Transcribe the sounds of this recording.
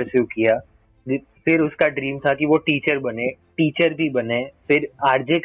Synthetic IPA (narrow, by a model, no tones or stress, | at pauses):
əʃuːkijaː | fɪɾʊskaɖɾiːmt̪ʰakiʋoʈiːt͡ʃəɾbɐnẽːʈiːt͡ʃəɾbʱibɐnẽfɪɾaːɾd͡ʒek